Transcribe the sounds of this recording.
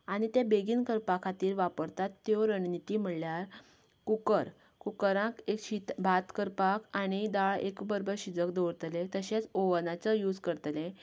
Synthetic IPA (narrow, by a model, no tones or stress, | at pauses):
aɽ̃it̪ebeɡiːnkəɾpakʰat̪iːɾʋapəɾt̪at̪ːjoɾəɳnit̪iːm̤əɽljaɾ | kukəɾ | kukəɾãkekɕit̪bʱat̪kəɾpakʰaɽ̃id̪aɭekbəɾbəɾɕid͡zək̚d̪oɽt̪lẽt̪əɕẽt͡soʋənat͡səjuːd͡zkəɾt̪lẽ